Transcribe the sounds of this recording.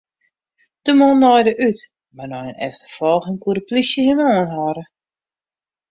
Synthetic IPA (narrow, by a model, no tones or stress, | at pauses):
d̥əmɔnːɔjdəʔyt | marnɔjənɛ̰ftə̥fɔlˠxinkuɾəplisjəhenɔənɦɔɾə